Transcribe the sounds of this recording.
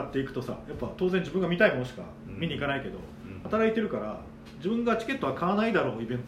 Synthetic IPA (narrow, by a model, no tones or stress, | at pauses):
at̪ːe̞ikɯ̟̥t̪o̞sa̰japːat̪o̞ːzẽ̞ɲd͡ʑibɯ̟̃ŋɡamʲit̪aimonoɕi̥ka̰ | mʲiɲ̟iːkanaike̞d̪o̞̰ | hat̪aɾait̪e̞ɾɯ̟kaɾa̰ | d͡ʑibɯ̟̃ŋɡat͡ɕi̥ke̞t̪ːoakʰaβanaid̪aɾo̞ːibẽ̞nt̪